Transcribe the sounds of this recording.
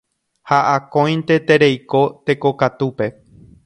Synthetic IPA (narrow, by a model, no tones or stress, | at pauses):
haʔakõ̞j̃nt̪e̞t̪e̞ɾe̞jko̞t̪e̞ko̞kat̪upe̞